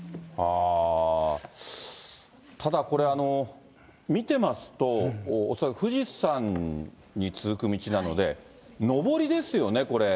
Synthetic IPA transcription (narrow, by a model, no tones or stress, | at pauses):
a | t̪ʰad̪ako̞ɾe̞ano̞ | mʲit̪e̞masɨ̥t̪o̞ːsakɯɸɯ̟ʑisãɲ̟ | ɲːit͡sɨzɨkɯ̟mʲit͡ɕinano̞d̪e̞ | no̞bo̞ɾʲid̪e̞sɨjo̞ne̞ko̞ɾe̞